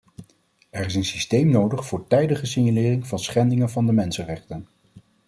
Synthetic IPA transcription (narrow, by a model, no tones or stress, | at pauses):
ɛɹɪs̬ənsi̥stejmnowdəχfʊːɹtɛjdəχəsɪɲalɪːrɪŋvɑnsχɛndɪŋənvɑndəmɛnsənrɛχtən